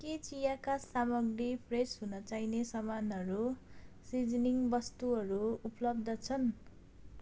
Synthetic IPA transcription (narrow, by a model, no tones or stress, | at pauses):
ket͡sijakasamʌɡɾipʰresɦunʌt͡sajnesʌmanʌɾusid͡zniŋbʌst̪uɦʌɾuuplʌb̚d̪ʌt͡sʰʌn